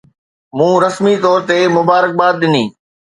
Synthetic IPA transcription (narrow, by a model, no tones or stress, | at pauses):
mũːɾɐsmit̪ɔːɾt̪emʊbaːɾək̚baːd̪̚ɗɪniː